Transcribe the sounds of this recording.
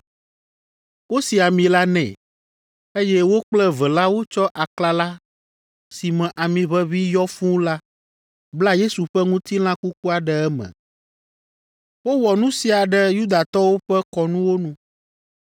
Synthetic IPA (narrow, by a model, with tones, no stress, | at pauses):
wo˦si˨a˨mĩ˨la˦nɛ̰̃˨ | e˦jɛ˦wo˦k͡plɛ˦vɛ˨la˦wo˦t͡ʃɔ˦ʔa˨kla˨la˦ | si˨mɛ̃˨ʔa˨mĩ˨βɛ˦βi˦jɔ˦fũ˦la˦ | bla˦je˦su˨ɸɛ˦ŋũ˦t̪i˦l̃ã˦ku˦ku˦a˨ɖɛ˨ɛ˦mɛ̰̃˨ | wo˦wɔ˨nũ˦si˨a˨ɖɛ˨ju˦d̪a˨t̪ɔ˦wo˦ɸɛ˦kɔ˨nũ˦wo˦nũ˦